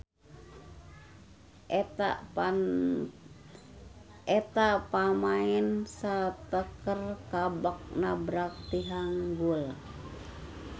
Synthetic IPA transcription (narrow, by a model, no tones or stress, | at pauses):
ɛt̪apamaɛnsat̪əkərkabak̚nabɾak̚t̪iɦaŋɡul